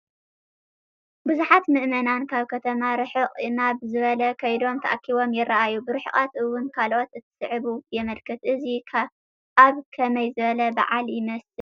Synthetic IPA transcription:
bɨzuħat̪mɨʔmɐnankʰaβkʰɐt̪ʰɐmaɾɨħɨqʼɨnabɨzɨβɐlɐkʰɐjd̪o̞mt̪ʰɐ̰ʔakʰːiβo̞mjɪrːɐʔajubɨɾɨħɨχʼat̪ʔɨwːʊnkʰalʔo̞t̪ɨt̪ʰːɨ̥sɨʕɨβujɛmɐlkʰɐt̪ʔɨzikʰa | aβkʰɐmɐjzɨβɐlɐba̰ʕaljɪmɐsɨ

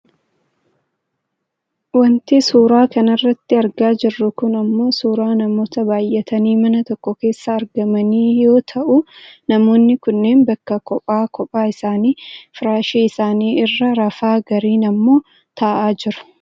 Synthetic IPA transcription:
wɐnt̪isuːɾaːkɐnɐrːɐt̪ːɪɐɾɡaːd͡ʒɪrːʊkʊnɐmːo̞ːsuːɾaːnɐmo̞ːt̪ɐbaːjʔɛt̪ʰɐniːmɐnɐt̪ɔkːɔke̞ːsːɐːɾɡɐmɐniːjo̞ːt̪ʰɐʔʊnɐmo̞ːnːɪkʊnːe̞ːnbɐkːɐkɔpʼaːkɔpʼaːɪsaːniːfɪɾaːʃiːɪsaːniːɪrːɐɾɐfaːɡɐɾiːnɐmːo̞ː | t̪ʰɐʔaːd͡ʒɪɾʊ̥

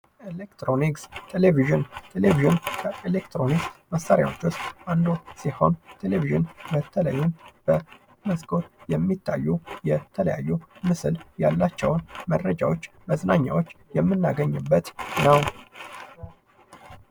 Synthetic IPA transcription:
ʔelekt̪ɾonikst̪ʰeleviʒɨnt̪ʰeleviʒɨnkʰəelekt̪ʰɾo̞niksməsːaɾja̰wo̞t͡ʃːwʊst̪ʔand̪osiho̞̰nt̪ʰe̞leviʒɨnmət̪ʰːələjːunb̥ə | məsɡo̞t̪jɛmːit̪ʰːajːujɛt̪ʰələja̰jːumɨsɨljalːat͡ʃːɛwnməd̪ɾəd͡ʒawot͡ʃː | məznaɲːa̰wo̞t͡ʃːjɛmːɨnːaɡəɲːɨbːət̪nəw

